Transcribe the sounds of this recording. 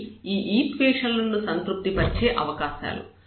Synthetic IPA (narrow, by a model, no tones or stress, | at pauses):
iːʔiːʈʋeːʂɐlːunːusɐnt̪ɾup̚t̪ipɐt͡ʃeːʔɐʋɐkaːʃa̰ːlṵ